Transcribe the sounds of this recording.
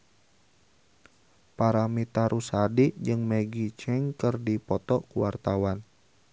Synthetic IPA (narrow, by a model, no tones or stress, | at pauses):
paɾamit̪aɾusadid͡ʒɨŋməɡit͡ʃɛŋkərdipɔt̪ɔkuwart̪awan